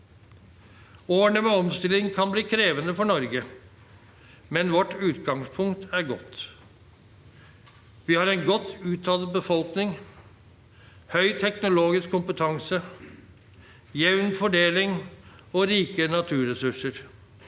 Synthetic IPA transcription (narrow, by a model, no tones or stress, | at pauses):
oːəɳəmeːɔmst̪ɪlɪŋkʰɑnbliːkʰɾeːʋənəfɔɳɔɾɡə | mɛnʋɔʈʉːt̪ɡɑŋspʰʊŋkt̪ʰæɾɡɔt̪ | ʋiːhɑɾɛɪnɡɔt̪ːʉːt̪ʰːɑlbəfɔlknɪŋ | hœʏt̪ʰɛknʊloːɡɪskʰːʊmpət̪ʰɑŋsə | jɛʋnfɔɖeːlɪŋ | oːɾiːkənɑt̪ʰʉːɾɛsʉʂəɾ